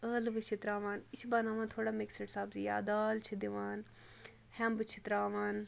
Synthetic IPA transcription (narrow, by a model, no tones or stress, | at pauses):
əːlʋɨt͡ʃʰit̪ɾaːʋaːnit͡ʃʰibɐnaːʋãːnt̪ʰoːɽaːmeksɐʈsaːbzija̰ːd̪aːlt͡ʃʰid̪iʋaːn | hɛmbɨt͡ʃʰit̪ɾaːʋaːn